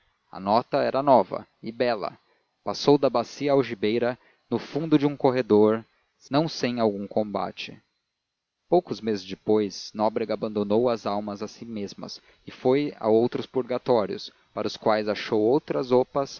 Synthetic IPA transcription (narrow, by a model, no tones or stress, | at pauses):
ɐ̰nɔt̪ɐɛɾɐnɔvɐ̰ɪbɛlɐ̰ | pasowd̪ɐbasiɐawʒibejɾɐ | nʊfũnd̪ʊd͡ʒɪũkoɦed̪oɾ | nɐ̃w̃sẽj̃awɡũkʰõmba̰t͡ʃɪ | powkʊzmezɪzd͡ʒɪpojznɔbɾeɡabɐ̃nd̪onowɐzawmɐzasimezmɐ̰s | ɪfoja̰owt̪ɾʊspuɾɡat̪ɔɾijʊ̰s | paɾʊskwajzaʃowowt̪ɾɐzopɐs